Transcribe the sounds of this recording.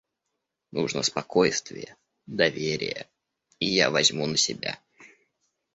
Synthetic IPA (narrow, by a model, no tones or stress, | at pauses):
nuʐnəspɐkojst̪vʲɪjə | d̪ɐvʲeɾʲɪ̰jə̰ | ijavɐzʲmunəsʲɪbʲa̰